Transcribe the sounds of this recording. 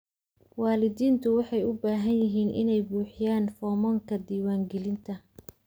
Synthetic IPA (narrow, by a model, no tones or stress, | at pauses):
waːlɪd̪iːnt̪ʰʊwɑħɑjʊbaːɦɐnjɪɦiːnʔɪ̰nɛjbuːħɪjaːnfɔːmɔːŋkʰɐd̪iːwaːŋɡɛlɪnt̪ʰɐ